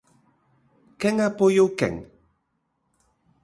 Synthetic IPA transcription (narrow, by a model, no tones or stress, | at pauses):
kɛŋapojowkɛ̰ŋ